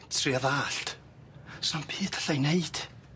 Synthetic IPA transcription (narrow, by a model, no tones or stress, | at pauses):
tʰriaðaːɬt | sɔnb̥iːd̥ḁɬajneɨd̥